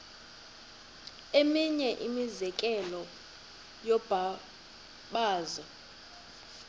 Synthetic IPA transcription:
emiɲɛʔimizɛkʼɛlɔ | jɔb̥ʱa | ɓaːza

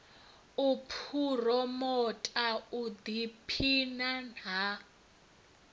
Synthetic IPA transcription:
upʰurɔmɔtʼaud̪ipʰinana

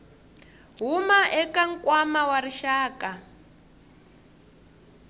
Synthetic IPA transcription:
ɦumaʔɛkaŋ̩kwamawariʃaːkʼa

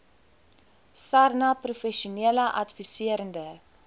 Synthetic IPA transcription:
sɐrnɐprufɛʃuniələʔɐtfisiəɾəndə

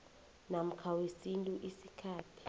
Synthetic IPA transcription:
nam̩kʰawesintʼuʔisikʰaːtʰi̥

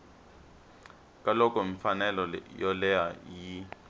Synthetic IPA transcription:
kʼalɔkʼɔɱfanɛlɔjɔlɛaji

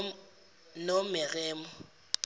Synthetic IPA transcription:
nomɪɣɛːmɔ

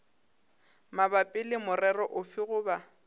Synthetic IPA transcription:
mabapʼɪlɪmʊrɛrɔʔʊfɪɣʊːba

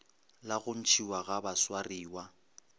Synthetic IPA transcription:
laɣʊn̩t͡ʃʰiwaɣabaswariːwa

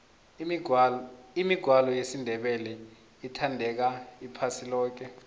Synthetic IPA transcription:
imiɡ̥ʱwalɔjesindʱɛɓɛlɛ | itʰandʱɛk̬aipʰasilɔːk̬ɛ

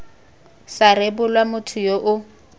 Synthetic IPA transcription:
sarebʊlwamʊtʰʊjoʔʊ

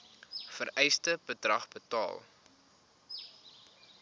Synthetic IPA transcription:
fəɾʔɛjstəbədrɐ̰χbətɑ̰ːlˠ

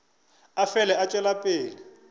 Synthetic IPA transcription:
afɛlɛat͡ʃʼwɛlapʼeːlɪ

